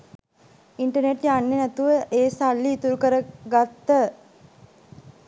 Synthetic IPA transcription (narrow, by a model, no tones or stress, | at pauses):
iɳʈəneʈjanːenæt̪uʋəʔeːsalːiːt̪uɾukəɾəɡat̪ːə